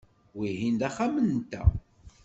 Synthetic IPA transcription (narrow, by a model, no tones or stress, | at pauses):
wihind̪æχamənt̪ːæ̰